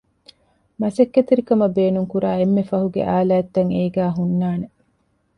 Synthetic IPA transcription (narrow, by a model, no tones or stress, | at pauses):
mɐsɐkːet̪eɾikɐmɐbeːnuŋkuɾaːemːefɐɦuɡḛʔaːlaːet̪ːɐŋeːɡæːɦunːaːne